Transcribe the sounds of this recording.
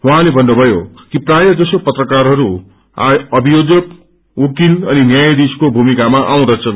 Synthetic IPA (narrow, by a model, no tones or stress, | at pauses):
ɦũɦãlebʱʌnːobʱʌjokiprajʌd͡zʌsopʌt̪rʌkaɾɦʌɾu | aʌbʱijod͡zʌk | ukinʌninjajd̪iskobʱumikamaʔaw̃ɾʌt͡sʰʌn